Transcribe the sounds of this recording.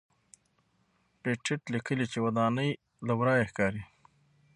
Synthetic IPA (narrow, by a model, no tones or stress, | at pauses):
peʈʰɪʈlikəlit͡ʃewad̪ɑnəj | labɾɑjexkɑɾi